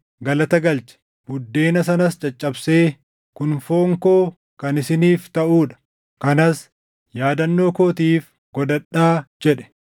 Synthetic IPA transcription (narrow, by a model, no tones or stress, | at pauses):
ɡɐlɐt̪ɐɡɐlt͡ʃɛ̥ | bʊd̪ːe̞ːnɐs̬ɐnɐst͡ʃʼɐt͡ʃʼːɐbse̞ː | kʊnfo̞ːŋkoː | kɐnɪsɪniːft̪ɐʔuːᶑɐ̥ | kɐnɐs | jaːd̪ɐnːo̞ːkoːt̪iːf | ɡ̥ɔd̪ɐᶑːaːd͡ʒɛᶑɛ̥